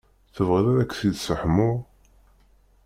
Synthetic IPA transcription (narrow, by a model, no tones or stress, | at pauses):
θəvʁəɾaɾækːsiðsəħmʊʁ